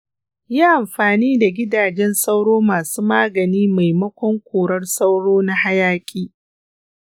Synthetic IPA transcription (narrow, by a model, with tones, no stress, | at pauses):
jaː˦ʔa˨mɸaː˨niː˦da˨ɡʲɪ˦daː˨d͡ʒɛ˦nsɐ˦wɽoː˦maː˨suː˦maː˦ɡɐ˨niː˦ma˨jmɐ˦kʷɔ˦ŋkʷoː˨ɽɐ˦rsɐ˦wɽoː˦na˦ha˦jaː˦kʲʼiː˦